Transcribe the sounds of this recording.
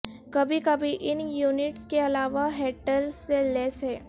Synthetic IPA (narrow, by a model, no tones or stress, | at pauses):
kɐbʱikɐbʱiʔɪnjuːnɪʈskeɐlaːʋaɦeːʈəɾselɛːsɦɛː